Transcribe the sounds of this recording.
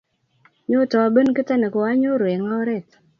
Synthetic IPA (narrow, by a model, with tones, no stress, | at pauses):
ɲo˦tɔ˨a˨bə˦nkɪ˦ta˦ne˨ko˨wa˦ɲo˦ɾwe˨ŋa˦ɔ˦ɾɛ˦˨t̪